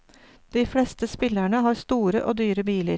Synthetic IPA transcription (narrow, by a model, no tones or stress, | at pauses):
d̪̥iːfɽɛst̪əspɪlæɳəɦɑːɾst̪uːɾəʔoːd̪yːɾəbiːlə̰ɾ